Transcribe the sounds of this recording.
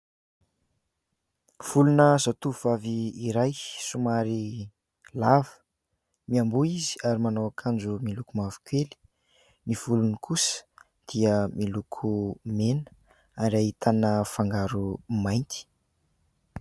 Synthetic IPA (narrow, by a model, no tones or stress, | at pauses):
v̥ulunəzat̪uuv̥aviːɾajsumaɾi | lavə̥ | miambuizi̥aɾimanawakʰand͡ʒumilukumavu̥kʲweli̥ | niv̥ulunikʰusə̥ | d̪̥iəmilukʰumenə̥ | aɾiaɦit̪ʰanəfaŋɡaɾumajnt̪i̥